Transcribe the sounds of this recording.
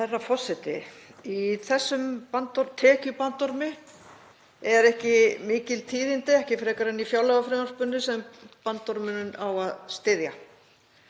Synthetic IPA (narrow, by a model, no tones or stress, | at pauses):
θɛrːafɔsːɪt̪ɪiθɛsːʏmpant̪ɔɾt̪ʰɛːcʏpant̪ɔɾmɪ | ɛɾɛhcɪmɪːcɪlt̪ʰiːðɪnt̪ɪɛhcɪfɾɛːkaɾɛnːifjawlɛɣafɾɪmaɾspʏnːɪsɛmpant̪ːɔɾmɪnʏnawaðst̪ɪðja